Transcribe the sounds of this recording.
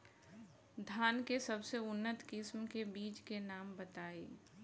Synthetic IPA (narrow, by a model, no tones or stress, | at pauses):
d̪ʱaːnkesəbseʊnːət̪kɪsmkebiːt͡ʃkenaːmbət̪aːeː